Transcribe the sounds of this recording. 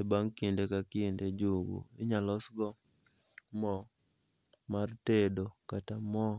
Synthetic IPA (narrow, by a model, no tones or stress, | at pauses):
ebaŋkindekakinded͡ʒuɡo̰ɪɲalɔsɡɔ | mɔ | martedokatamɔ